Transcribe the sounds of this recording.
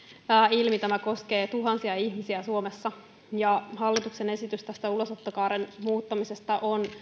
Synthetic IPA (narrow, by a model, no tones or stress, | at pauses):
ilmit̪æmæko̞ske̞ːt̪uɦɑnsiɑihmisiæsuomesːɑ | jɑhɑlːit̪uksene̞sit̪yst̪æst̪æulosot̪ːokɑːɾenmuːt̪ːɑmisest̪ɑʔon